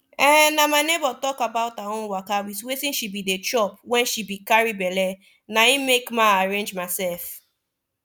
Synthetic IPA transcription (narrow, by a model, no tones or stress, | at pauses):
ɛnamaɪnebɔtɔkabaʊtaõnwakawiswetĩnʃibidet͡ʃɔp̚wɛ̃nʃibikaɹibɛlɛ | naimekmãaɹẽnd͡ʒmaɪsɛlf